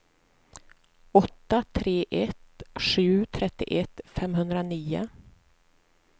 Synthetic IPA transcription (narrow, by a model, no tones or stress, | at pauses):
ɔt̪ːat̪ʰɾeːʔɛt̪ɧʉ̟ːt̪ʰɾɛt̪ːɪ̰ʔɛt̪fɛmɦɵnd̪ɾaniːʊ̰